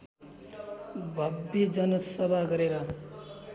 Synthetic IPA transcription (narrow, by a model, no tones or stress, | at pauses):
bʱʌbjʌd͡zʌnʌsʌbʱaɡʌɾeɾʌ